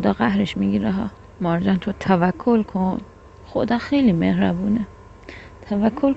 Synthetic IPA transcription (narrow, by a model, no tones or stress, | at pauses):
od̪ɒːɣæhɾeʃmiɡiɾæɦɒ | mɒɾd͡ʒænt̪ʰot̪ʰævækʰːolkʰon | xod̪ɒːxejlimehɾæbuːne | t̪ʰævækʰːol